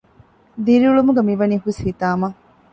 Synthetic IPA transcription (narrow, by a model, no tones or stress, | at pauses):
d̪iɾiuɭumuɡemiʋɐniːɦuishit̪aːmɐ